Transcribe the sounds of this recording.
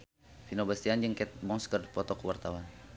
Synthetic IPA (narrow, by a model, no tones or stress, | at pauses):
finobast̪iand͡ʒəŋkɛt̪̚bɔŋskərdpɔt̪ɔkəwart̪awan